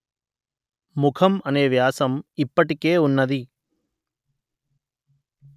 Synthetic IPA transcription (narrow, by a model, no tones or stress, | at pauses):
mukʰɐmɐneːʋjaːsɐmipːɐʈikeːunːɐd̪i